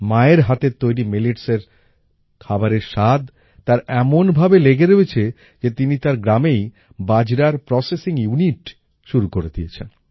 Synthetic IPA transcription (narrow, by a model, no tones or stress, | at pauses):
maeɾɦat̪et̪ojɾimiliʈseɾ | kʰabaɾeɾʃad̪ | t̪aɾɛmonbʱabeleɡeɾoet͡ɕʰe | d͡ʑet̪init̪aɾɡɾamej | bad͡ʑɾaɾpɾɔsesiŋjuniʈ | ʃuɾukoɾed̪ijet͡ɕʰen